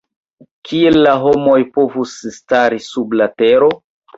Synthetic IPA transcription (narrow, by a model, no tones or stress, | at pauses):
kʰielːaɦo̞mo̞jpo̞vusstaɾisublateɾo̞